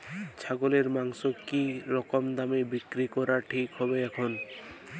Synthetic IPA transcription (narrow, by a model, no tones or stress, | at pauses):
t͡ɕʰaɡoleɾmaŋʃokːiɾɔkomd̪amebikɾikɔɾaʈʰikɦɔbeɛkʰon